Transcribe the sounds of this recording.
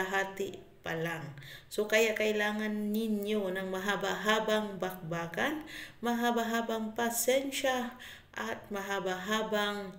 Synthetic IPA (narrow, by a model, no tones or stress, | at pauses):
ɦaːt̪ɪ | pa̰laŋso̞kɐjaʔkɐʔɪlaːŋanːɪnjonɐŋmɐɦabaɦaːbaŋbak̚baːɡanmɐɦabaɦaːbaŋpasɛnʃa | ʔat̪̚mɐɦabaɦaːbaŋ